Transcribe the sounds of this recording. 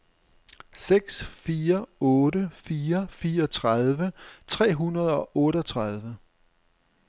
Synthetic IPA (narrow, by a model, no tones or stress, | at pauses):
seɡ̥sfiːɐɔ̽ːɾəfiːɐfiːɐɒt͡sʰʁað̞ˠʋət͡sʰʁɛ̰ːɦunɐð̞ˠɒ̽ʔɔ̽ːɾɒt͡sʰʁað̞ˠʋə